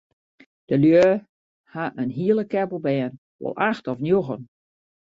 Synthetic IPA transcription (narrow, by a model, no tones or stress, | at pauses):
d̥əljøː | haʔənɦiəlˠəkɛbəl̩ˠbɛːn | ʋɔ̰lˠʔaxtɔfnjoɣən